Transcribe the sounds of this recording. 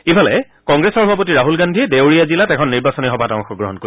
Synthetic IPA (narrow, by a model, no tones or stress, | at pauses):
ibʱalɛ̰ | kɔŋɡɹesɔɹɔbʱap̬otiɹaɦulɡandʱiɛdewɹijazilatɛkʰɔnːiɹbasɔnixɔbʱataŋxɔɡɹɔɦɔnko